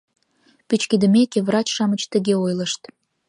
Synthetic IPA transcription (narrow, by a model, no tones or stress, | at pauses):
pyt͡ɕkid̪əmekevrɑt͡ɕʃɑmət͡ɕt̪əɣeojləʃt̪